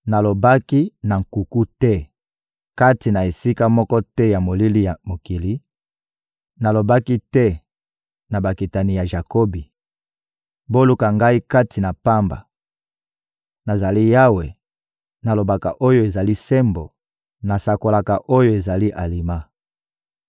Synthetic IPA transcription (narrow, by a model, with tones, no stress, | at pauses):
na˨lo˨ba˦ki˦na˨ŋ̩˨ku˨ku˦tɛ˦ | ka˦ti˨na˨e˨si˦ka˦mɔ˦kɔ˦tɛ˦ja˨mo˨li˦li˦ja˨mo˨ki˨li˦ | na˨lo˨ba˦ki˦tɛ˦ | na˨ba˨ki˨ta˨ni˨ja˨ʒa˨ko˦bi˨ | bo˦lu˨ka˨ŋɡa˦i˦ka˦tʰi˨na˨pa˦mba̰˨ | na˨za˨li˦ja˦we˨ | na˨lo˨ba˨ka˨ʔo˦jo˦e˨za˨li˦sɛ˦mbo˨ | na˨sa˨ko˨la˨ka˨ʔo˦jo˦e˨za˨li˦ʔa˨li˨ma˦